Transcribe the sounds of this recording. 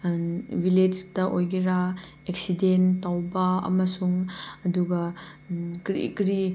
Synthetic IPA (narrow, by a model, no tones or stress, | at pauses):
viled͡ʒtɐʔojɡiɾa | eksidentawbɐɐ̰mɐsuŋɐduɡɐ | kɾḭkɾi